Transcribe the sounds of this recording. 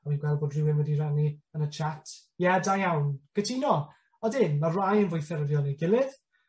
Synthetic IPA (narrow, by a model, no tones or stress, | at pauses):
aviːnɡwɛlˠboːdrɪwɪnwɛdiraniənət͡ʃʰatʰ | jɛdajawnɡ̥ətʰinɔ | ɔdɪnmarajənvʊjθɛɾəvjɔlˠniɡɪlˠɪð̥